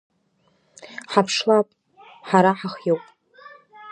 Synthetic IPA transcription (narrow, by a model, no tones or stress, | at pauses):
ħapʰʂlapʼ | ħaɾaħaχjowpʼ